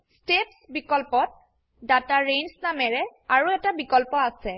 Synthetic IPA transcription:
stepsbikɔlpɔt̚ | dataɹejnsnamɛɹɛaɹuɛtabikɔlpɔasɛ

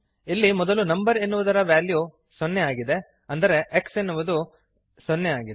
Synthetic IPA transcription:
ilːimɔd̪ɐlunɐmbɐɾe̞nːuʋud̪ɐɾɐʋjaːlju | sɔnːeaːɡid̪e̞ | ɐnd̪ɐɾe̞ːksenːuʋud̪u | sɔnːeaːɡid̪e

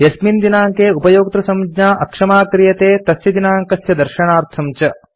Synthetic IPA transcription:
jɐsmind̪inaːŋkeːupɐjoːk̚t̪ɾɐsɐmd͡ʒɲaːʔɐkʂɐmaːkɾijɐt̪eːt̪ɐsjɐd̪inaːŋkɐsjɐd̪ɐɾʃɐɳaːɾt̪ʰɐmt͡ʃɐ

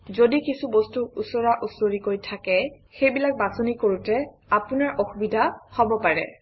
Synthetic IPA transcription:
zodikisubostuusɔɹaʔusoɹikojtʰakɛ | xejbilak̚basonikoɹutɛ | apunaɹʔɔxubidʱahɔbɔpaɹɛ̰

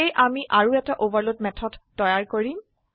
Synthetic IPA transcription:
ejʔamiʔaɹuɛtaʔobaɹlot̚mɛtʰɔdːɔjaɹkoɹim

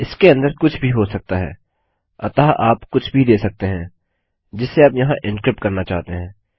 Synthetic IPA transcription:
ɪskeɐ̃nd̪əɾkʊt͡ʃʰbʱiɦosɐk̚t̪aɦɛ̰ː | ɐ̰t̪aːʔaːpkʊt͡ʃʰbʱid̪eːsɐk̚t̪eɦɛ̃ː | d͡ʒɪsːeaːpjɐɦãʔɪ̃nkɾɪp̚ʈkɐɾnat͡ʃaːɦt̪eɦɛ̃ː

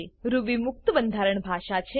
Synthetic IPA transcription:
ɾuʋimʊk̚t̪əbənd̪ʱaɾəɳbʱaʃat͡ʃʰe

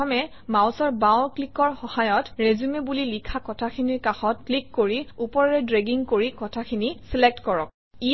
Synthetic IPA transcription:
ɔmɛ | mawsɔɹbawklikɔɹxɔhajɔtɹezumebulilikʰakɔtʰakʰiniɹkaxɔt̚klikːoɹiupɔɹɔɹɛdɹeɡiŋkoɹikɔtʰakʰinisilek̚tkɔɹɔk̚ | i

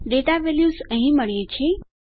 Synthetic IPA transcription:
ɖeʈaʋeljusəɦĩməɭjet͡ʃʰe

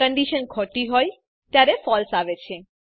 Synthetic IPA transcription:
əɳɖiʃənkʰɔʈiɦɔj | t̪jaɾefɔlsaʋet͡ʃʰe

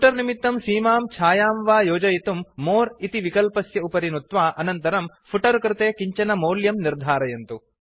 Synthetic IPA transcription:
pʰuʈɐɾnimit̪ːɐmsiːmaːmt͡ʃʰaːjaːmʋaːjoːd͡ʒɐjit̪umːoːɾit̪iʋikɐlpɐsjɐupɐɾinut̪ʋaːʔɐnɐnt̪ɐɾɐm | pʰuʈɐɾkɾɪt̪eːkiɲt͡ʃɐnɐmoːljɐmniɾd̪ʱaːɾɐjɐnt̪u

